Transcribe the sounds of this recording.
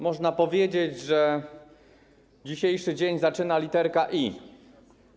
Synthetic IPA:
mɔʐnapɔvʲjed͡ʑed͡ʑʐɛ | d͡ʑiɕejʂɘd͡ʑeɲzat͡ʂɘnalʲit̪ɛɾkaʔi

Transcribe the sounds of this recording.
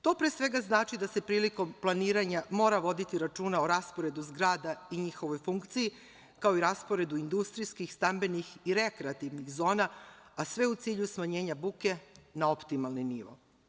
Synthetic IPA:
t̪o̞pɾesʋe̞ɡaznaːt͡ʃid̪ase̞pɾiːliko̞mplˠaniːɾaɲamo̞ːɾaʋo̞d̪it̪iɾat͡ʃuːnaoɾaspoɾe̞d̪uzɡɾaːd̪aiɲixo̞ʋo̞jfuŋkt̪siji | kao̞iɾaspo̞ɾe̞d̪uind̪ust̪ɾijskixst̪ambe̞nixiɾe̞kɾeat̪iʋnixzo̞ːnaasʋe̞ut̪siːʎusmaɲe̞ːɲabuke̞nao̞pt̪imalˠniniʋo̞̰

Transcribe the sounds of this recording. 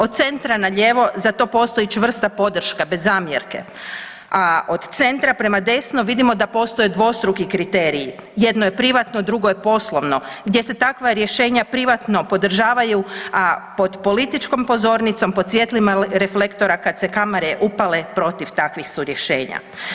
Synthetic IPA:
ot̪̚t̪se̞nt̪ɾanaʎeːʋo̞zat̪o̞po̞ːst̪ojit͡ʃʋr̩st̪apo̞d̪r̩ʃkabe̞zːaːmjeɾke̞̰ | od̪t̪se̞nt̪ɾapɾe̞mad̪e̞snoʋid̪imo̞d̪apo̞st̪o̞jed̪ʋo̞st̪ɾukikɾit̪e̞ːɾiije̞d̪nojepɾiʋat̪nod̪ɾuɡojepo̞slˠo̞ʋno̞ɡd̪ʲje̞se̞t̪akʋaɾje̞ʃe̞ːɲapɾiʋat̪no̞po̞d̪r̩ʒaːʋaju | po̞d̪po̞lit̪it͡ʃko̞mpo̞zo̞ɾnit̪so̞mpo̞d̪sʋje̞t̪limaɾe̞flekt̪o̞ɾakad̪se̞kamaɾeʔupale̞pɾo̞t̪iʋt̪akʋixsuɾje̞ʃe̞ːɲa̰

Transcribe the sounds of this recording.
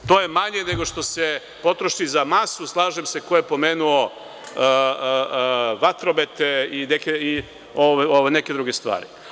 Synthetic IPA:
t̪o̞ːjemaɲene̞ɡoʃt̪o̞se | po̞t̪ɾoʃizamasuslˠaːʒemse̞ko̞jepo̞meːnuo | ʋat̪ɾo̞bet̪einekei | oʋaoʋajneke̞d̪ɾuɡest̪ʋa̰ːɾi

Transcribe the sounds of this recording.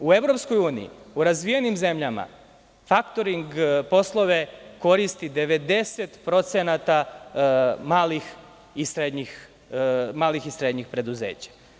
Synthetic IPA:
ue̞ʋɾo̞psko̞juːnḭḭuɾazʋijenimze̞mʎama̰ | fakt̪o̞ɾiŋɡpo̞slˠo̞ʋe̞ko̞ɾist̪id̪e̞ʋe̞d̪e̞set̪pɾo̞t̪senat̪a | maːlix | isɾed̪ɲix | maːlixisɾe̞d̪ɲixpɾe̞d̪uzeːt͡ɕḁ

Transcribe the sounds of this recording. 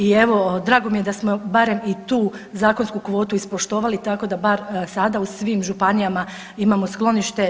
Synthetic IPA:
ie̞ʋo̞d̪ɾaːɡo̞mije̞d̪asmo̞baɾe̞mit̪uː | zaːko̞nskukʋo̞ːt̪uispo̞ʃt̪o̞ːʋalit̪ako̞d̪abaɾsad̪ausʋiːmʒupanijama | imamo̞sklˠo̞niʃt̪e̞

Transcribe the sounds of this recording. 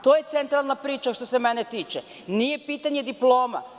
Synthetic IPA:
t̪oːje̞t̪sent̪ɾalˠnapɾiːt͡ʃaʃt̪o̞semɛnet̪iːt͡ʃe | nijepiːt̪aɲed̪iplˠo̞ːma̰

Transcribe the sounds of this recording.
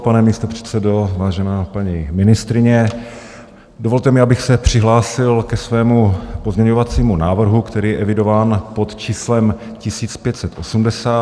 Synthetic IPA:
panɛmist̪opr̝̥ɛ̥t̪t͡sɛdovaːʒɛnaːpaɲimɪnɪst̪ɾɪɲɛ | dovo̞lt̪ɛmɪʔabɪxsɛpr̝̥ɪɦlaːsɪlkɛsvɛːmupo̞zɲɛɲo̞vat͡siːmunaːvr̩ɦukt̪ɛɾiːjɛʔɛvɪdo̞vaːnpo̞t̪t͡ʃiːslɛm | cɪsiːt͡spjɛt̪sɛt̪ʔo̞sumdɛsaː

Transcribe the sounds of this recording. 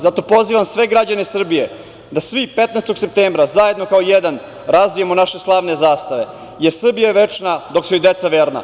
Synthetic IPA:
zat̪o̞po̞ziʋamsʋe̞ɡɾad͡ʑanesr̩bije | d̪asʋipet̪nest̪o̞ɡsep̚t̪eːmbɾazajed̪no̞kaojed̪an | ɾazʋijemonaʃe̞slˠaːʋne̞zaːst̪aʋe̞ | je̞ɾsr̩bijajeʋet͡ʂnad̪o̞kseid̪et̪saʋeːɾna̰

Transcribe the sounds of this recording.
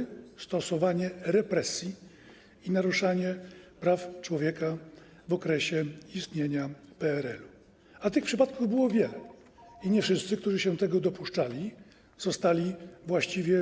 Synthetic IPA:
st̪ɔsɔvaɲɛɾɛpɾɛsʲji | inaɾuʂaɲɛpɾaft͡ʂwɔvʲjɛka | vɔkɾɛɕɛist̪ɲeɲapɛɛɾɛlu | at̪ɘxpʂɘpat̪̚kuvbɘwɔvʲjɛlɛ | iɲɛfʂɘst̪sɘkt̪uʐɘɕɛt̪ɛɡɔd̪ɔpuʂt͡ʂalʲi | z̥ɔst̪alʲivwaɕt͡ɕivʲjɛ

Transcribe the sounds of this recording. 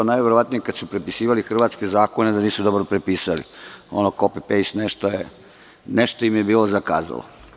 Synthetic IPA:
najʋeɾoʋat̪nijekad̪supɾepisiːʋalixr̩ʋaːt̪ske̞zaːkoned̪aniːsud̪obɾopɾepiːsalḭonokopepejsneʃt̪oje | neʃt̪oimjebiːlo̞zaka̰ːza̰lo̰

